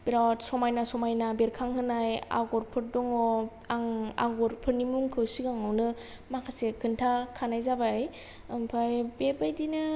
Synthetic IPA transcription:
biɾatsɔmajnasɔmajnabeɾkʰaŋɦɯnaja̰ɡɔɾpʰɯɾ̚dɔŋɔ | aŋa̰ɡɔɾpʰɯɾnimuŋkʰɯwsiɡaŋawnɯ | makʰasekʰɯntʰakʰanajzabaj | ɯmpʰajbebajdinɯ

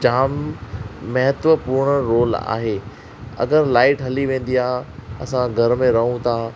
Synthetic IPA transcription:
d͡ʑaːmː | ɐɦət̪ʋəpuːɾɳ̃əɾoːla̰ːɦeː | ɐ̰ɡəɾlaːɪʈɦɐliʋẽːn̆d̪iaːɦɐ̰sãɡʱɐɾmẽɾɐɦũt̪ʰaː

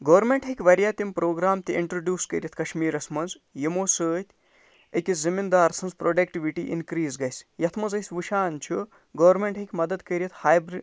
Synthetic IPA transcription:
ɡɐʋɾmeɳʈɦikʲʋɐɾjaːt̪impɾoːɡɾaːmt̪iiɳʈɾoːɖʲjuːskɐ̰ɾʲjɐt̪ʰkɐʃmiːɾɐsmɐnz | jimoːsəːt̪ʰʲ | ekʲizimind̪aːɾsɐnzpɾoːɖɐk̚ʈiʋiʈḭʔḭnkɾiːzɡɐjsjɐt̪ʰmɐnzɐjsʲʋuʃaːnt͡ʃʰu | ɡɐːʋɾmeɳʈɦikʲmɐd̪ɐd̪kɐɾijit̪ʰhaːjbɾ

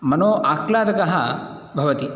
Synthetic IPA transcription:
mɐnoːʔaːklaːd̪ɐkɐɦɐ | bʱɐʋɐt̪i

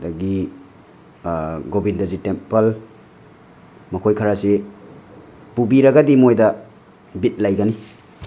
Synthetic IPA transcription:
daɡi | ɡobindɐzitempɐl | mɐkʰojkʰɐɾase | pubiɾɐɡadimojdɐ | bit̚lajɡɐni

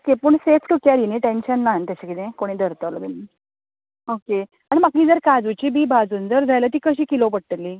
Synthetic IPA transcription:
okepəɳsefʈukjaɾiniːʈenɕənːant̪aɕakit̪ẽkoɽ̃iːd̪əɾt̪ələbini | oke | aɽ̃imakiːd͡zəɾkad͡zut͡ɕibiːbʱad͡zuːnd͡zəɾd͡zʱajlət̪̬iːkəɕiːkilopəɽʈ̪əlːiː

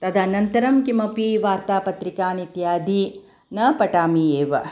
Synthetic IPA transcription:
t̪ɐd̪ʱanɐnt̪ɐɾɐmkimɐpiʋaːɾt̪aːpɐt̪ɾikaːnit̪jaːd̪i | nɐpɐʈaːmieːʋɐ

